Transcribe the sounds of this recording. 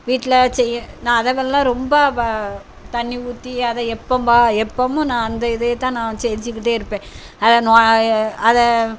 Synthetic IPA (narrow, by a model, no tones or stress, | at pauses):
ʋiːʈːɪlɐsɛjːɐ̃nãːɐðɐʋɐllãːɾɔmbɐ | t̪ɐɳːɪʋuːt̪ːiɐðɐɛpːɐmbaːɛpːoːmʊ̃nãːɐnd̪ɐɪðɐjɐt̪ːãːnãːt͡ʃɛnd͡ʒɯkːɪʈ̬ːeːɪɾɯpːẽː | ɐðɐnaːɐðɐ